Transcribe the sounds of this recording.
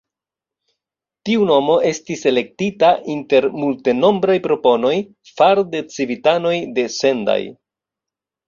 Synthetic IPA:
tiuno̞mo̞ʔe̞stise̞le̞k̚titaʔinte̞ɾmulte̞no̞mbɾajpɾo̞po̞no̞j | faɾde̞t͡sivitano̞jde̞se̞nda̰j

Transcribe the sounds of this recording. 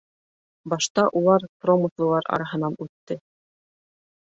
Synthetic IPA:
bɑʃt̪ɑʔulˠɑɾpromɤ̆slˠɤ̆lˠɑɾɑ̰ɾɑɦɤ̆nɑnʉt̪ːɘ

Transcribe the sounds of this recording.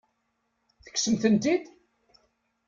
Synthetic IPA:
θə̥kːsəmθənt̪id̪

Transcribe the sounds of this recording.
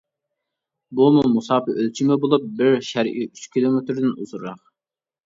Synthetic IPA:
bumumusɑːpɪʔølt͡ʃʰimɪbolˠup̚bɪɾʃæɾʔiyt͡ʃkʲilˠomet̪ɾɪd̪ɪnṵzuɾɾɑq

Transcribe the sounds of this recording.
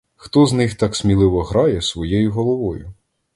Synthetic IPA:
xt̪ɔznɪxt̪ɑksmʲilˠɪʋɔɦɾɑjɛsʋɔjejʊɦɔlˠɔʋɔjʊ

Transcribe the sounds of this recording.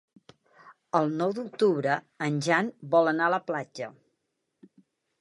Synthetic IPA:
əlˠnɔwd̪uk̚t̪uβɾə | ənʲʒanbɔlˠənaələplad͡ʒə

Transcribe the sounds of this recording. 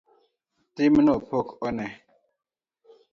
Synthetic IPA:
timnopʰokɔnɛ

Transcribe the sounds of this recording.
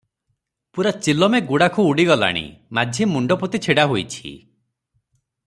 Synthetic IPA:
puɾat͡ʃilɔmeɡuɽakʰuːɽiɡɔla̰ɽ̃ḭmad͡ʒʱimuɳɖɔput̪it͡ʃʰeɽaɦojt͡ʃʰḭ

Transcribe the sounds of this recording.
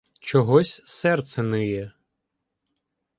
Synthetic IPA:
t͡ʃɔɦɔsʲsɛrt̪sɛnɪjɛ

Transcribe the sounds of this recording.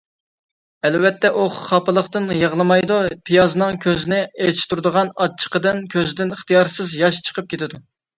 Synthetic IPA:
ɛlvɛt̪ʰːɛʔoχχɑpɨlˠəχt̪ɨnjəʁlˠɨmɑjd̪upʰijɑznɨŋkʲʰøzɪnɪet͡ʃ̪ʃt̪uɾd̪əʁɑnɑt͡ʃʰːə̥qəd̪ɨnkʲʰøzɪd̪ɪniχt̪ijɑɾsɨzjɑʃt͡ʃʰə̥qʰəp̚kʲet̪ʰɪd̪u

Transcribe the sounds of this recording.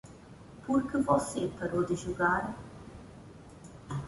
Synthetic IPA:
puɾkɨvɔsepɐɾod̪ɨʒuɣaɾ

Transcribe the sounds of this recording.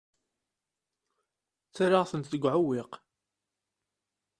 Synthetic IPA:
θɾɑʁθənt̪θəɡʷʕʊwɪq

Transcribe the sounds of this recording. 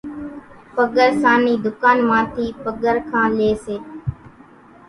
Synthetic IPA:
pəɠəɾsaːniːd̪ʊkaːnmãːt̪ʰiːpəɡəɾkʰãːleːseː

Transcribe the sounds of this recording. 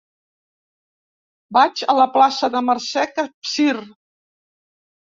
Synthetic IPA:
bat͡ʃələplasəðəmərsɛkəpsir

